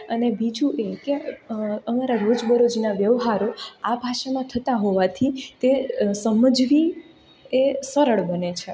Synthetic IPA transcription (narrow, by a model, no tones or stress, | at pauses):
ənebid͡ʒũʔeke | əmaɾaɾod͡ʒbəɾod͡ʒinaʋjəʋɦaɾoabʱaʃamãt̪ʰət̪aɦoʋat̪ʰit̪esəməd͡ʒʋi | esəɾəɭbənet͡ʃʰe